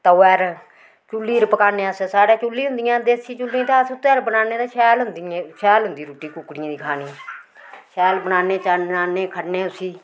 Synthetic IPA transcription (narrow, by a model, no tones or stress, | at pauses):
t̪əɛːɾ | t͡ʃʊlːiːɾpəkaːnẽəssaːɽeːt͡ʃʊlːiːɦʊ̃nd̪ɪjãːd̪eːsiːt͡ʃʊlːĩːt̪eəsʊt̪eːɾbənaːneːt̪ːʃɛːlɦʊnd̪ĩʃɛːlɦʊnd̪iːɾuːʈiːkʊkːɽɪãːd̪iːkʰaːnĩː | ʃɛːlbənaːneːt͡ʃaaːneːkʰəɖneːʊsiː